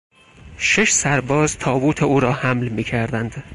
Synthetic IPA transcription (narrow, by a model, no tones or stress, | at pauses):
ʃeʃsæɾbɒːzt̪ʰɒːbuːt̪ʰeuːɾɒːhæmlmiːkʰæɾd̪ænd̪̥